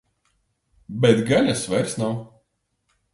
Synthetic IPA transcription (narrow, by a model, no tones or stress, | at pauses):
bɛt̪ɡanʲasvɛɾsnaw